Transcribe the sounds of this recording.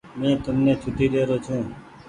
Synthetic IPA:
mɛ̃ːt̪əmnet͡ʃʰuʈ̪iːd̪eːɾoːt͡ʃʰũː

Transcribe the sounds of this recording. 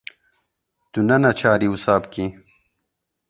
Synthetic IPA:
t̪unanat͡ɕʰaːɾiusaːbki

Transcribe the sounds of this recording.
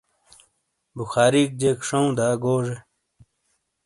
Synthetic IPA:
buxaːɾiːk̚d͡ʑekʂɐũd̪aːɡoːʐe

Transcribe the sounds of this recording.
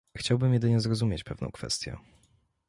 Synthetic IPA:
xt͡ɕawbɘmjɛd̪ɘɲɛzɾɔzumʲjet͡ɕpɛvnɔ̰̃w̃kfɛ̰st̪ʲjɛ̰

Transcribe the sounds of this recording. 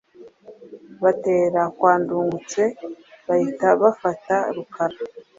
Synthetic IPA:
βate̞ːɾakwaːnduːŋɡut͡se̞βahitaβafataɾukʰaɾa

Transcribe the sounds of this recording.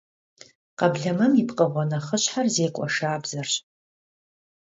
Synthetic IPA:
qɐbɮɐmɐmipqəʁʷɔnɐχəɕħarzeːkʷʼɔʂaːbzɐrɕʼ

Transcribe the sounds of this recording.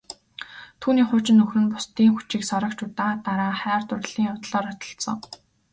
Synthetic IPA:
t̪ʰuːniːχʊːt͡ɕɪ̆nːɵxrɘ̆npʊ̥st̪iːŋxut͡ɕiːksɔɾə̆kt͡ɕʊt̪aːt̪aɾaːχæːrt̪ʊrɮ̥iːŋʊt̪ɮɔːɾʊt̪ɞ̥̆ɬsɞ̆ŋ

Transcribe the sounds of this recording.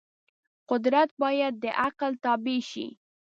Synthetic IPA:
qʊd̪ɾat̪̚bɑjad̪̚ːəʔaqlt̪ɑbeʃḭ

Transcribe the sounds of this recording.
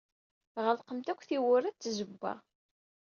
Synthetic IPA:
ʁəlqəmt̪ækʷːθiwʊɾæt͡sːzəbːa̰

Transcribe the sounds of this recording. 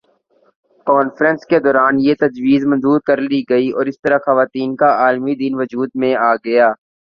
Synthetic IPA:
kɔːnfɾə̃nsked̪ɔːɾaːnjet̪ɐd͡ʒʋiːzmə̃nzuːɾkɐɾliɡɐiɔːɾɪst̪əɾaxɐʋaːt̪iːnkaaːlmid̪inʋʊd͡ʒuːd̪mẽaːɡɐjaː

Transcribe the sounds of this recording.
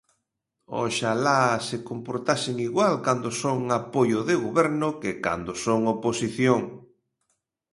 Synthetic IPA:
o̰ʃalasekompoɾt̪asɪŋiɣwalkand̪osoŋapojʊðɪɣoβɛɾnʊkɪka̰nd̪osoŋoposiθjoŋ

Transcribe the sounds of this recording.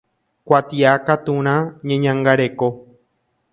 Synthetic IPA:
kʷat̪iakat̪ũɾ̃ãɲẽɲãŋɡaɾe̞ko

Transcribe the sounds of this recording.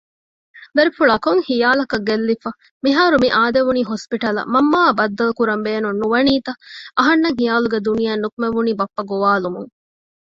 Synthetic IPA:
d̪ɐɾifuɭɐkoŋhijaːlɐkɐɡelːifɐ | miɦaːɾumiʔaːd̪eʋuniːɦospiʈɐlɐ̰mɐmːaːbɐd̪ːɐlukuɾɐmbeːnunːuʋɐniːt̪ɐʔɐɦɐnːɐŋɦijaːluɡed̪unijaːnːukumeʋuniːbɐpːɐɡoʋaːlumuŋ

